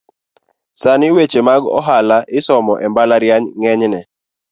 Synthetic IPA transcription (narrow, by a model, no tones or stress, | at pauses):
sanɪwet͡ʃemaɡɔ̰ɦalaʔɪsɔmɔʔɛmbalaɾjaɲŋɛɲnɛ